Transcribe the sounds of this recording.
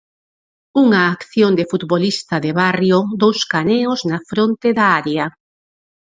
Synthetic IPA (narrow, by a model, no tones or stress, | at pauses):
uŋaːkθjond̪ɪfut̪βolist̪ɐðeβarjod̪owskaneoznafɾont̪eðɐaɾjɐ